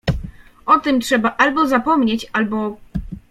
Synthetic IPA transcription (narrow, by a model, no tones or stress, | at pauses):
ɔt̪ɘmtʂɛbaʔalbɔzapɔmɲet͡ɕalbɔ